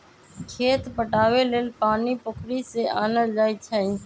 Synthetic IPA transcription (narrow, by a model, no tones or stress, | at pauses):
kʰeːt̪pəʈaːʋeːleːlpaːniːpʊkʰɾiːseːʔaːnəld͡ʒaːiːt͡ʃʰəĩː